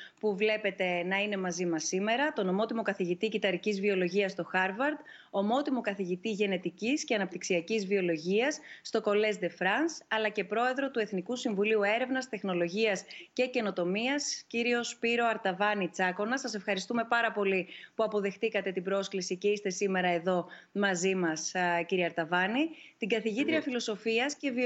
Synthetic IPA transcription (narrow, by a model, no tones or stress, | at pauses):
puvle̞pe̞t̪e̞nɐine̞mɐzimɐsime̞ɾɐt̪o̞nomo̞t̪imo̞kɐθiʝit̪icit̪ɐɾicizvio̞lo̞ʝiɐst̪o̞xɐɾvɐɾd̪ | omo̞t̪imo̞kɐθiʝit̪iʝe̞ne̞t̪icisce̞ɐnɐp̚t̪iksiɐcizvio̞lo̞ʝiɐsːt̪o̞ko̞le̞zd̪e̞fɾɐnsɐlɐce̞pɾo̞e̞ðɾo̞t̪ue̞θnikusiɱvuliue̞ɾe̞vnɐst̪e̞xno̞lo̞ʝiɐsce̞ce̞no̞t̪o̞miɐsciɾio̞spiɾo̞ɐɾt̪ɐvɐnit͡sɐko̞nɐsɐse̞fxɐɾist̪ume̞pɐɾɐpo̞lipuɐpo̞ðe̞xt̪ikɐt̪e̞t̪ibɾo̞sklisice̞ist̪e̞sime̞ɾɐe̞ðo̞mɐzimɐsciɾiɐɾt̪ɐvɐnit̪iɡɐθiʝit̪ɾiɐfilo̞so̞fiɐsce̞vi